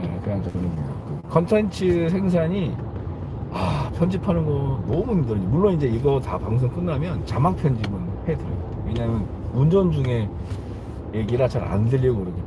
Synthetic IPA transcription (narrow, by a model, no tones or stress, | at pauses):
ekɯaŋd͡ʑʰʌkɯɾɯmiakʰʌntʰent͡ɕʰɯs̬ʰe̞ŋs̬ʰaɲi | apʰjʌnd͡ʑipʰanɯnɡʌnnʌmuimdɯɾɯɲimuɭːonind͡ʑe̞iɡʌtapaŋs̬ʰʌŋk͈ɯnːamjʌnt͡ɕamak̚pʰjʌnd͡ʑimɯnhe̞dɯɾ | we̞ɲaɦamjʌn | und͡ʑʌnd͡ʑuŋe̞ | je̞ɡiɾat͡ɕaɾa̰ndɯʎjʌɡoɯɾʌɡe